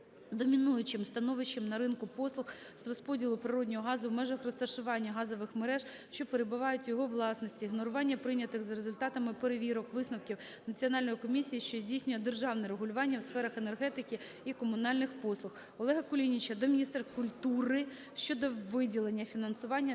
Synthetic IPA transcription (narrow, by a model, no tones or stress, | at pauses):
d̪ɔmʲinujʊt͡ʃɪmst̪ɐnɔʋɪʃɪmnɐɾɪnkʊpɔslˠʊx | zrɔspɔdʲilˠʊpɾɪɾɔdʲnʲɔɦɔɦɑzʊwmɛʒɐxrɔst̪ɐʃʊʋɑnʲːɐɦɑzɔʋɪxmeɾɛʒ | ʃt͡ʃɔpeɾebʊʋɑjʊtʲjɔɦɔʋlˠɑsnɔsʲtʲiɦnɔɾʊʋɑnʲːɐpɾɪnʲːɐt̪ɪxzɐɾezʊlʲt̪ɑt̪ɐmɪpeɾeʋʲiɾɔkʋɪsnɐwkʲiw | nɐt͡sʲiɔnɑlʲnɔjikɔmʲisʲijiʃt͡ʃɔzʲdʲijsʲnʲʊjɛd̪erʒɑwnɛɾeɦʊlʲʊʋɑnʲːɐwsfɛɾɐxenerɦɛt̪ɪkʲɪ | ikɔmʊnɑlʲnɪxpɔslˠʊx | ɔlˠɛɦɐkʊlʲinʲit͡ʃɐd̪ɔmʲinʲist̪ɛrkʊlʲt̪uɾɪ | ʃt͡ʃɔd̪ɔʋɪdʲilˠenʲːɐfʲinɐnsʊʋɑnʲːɐ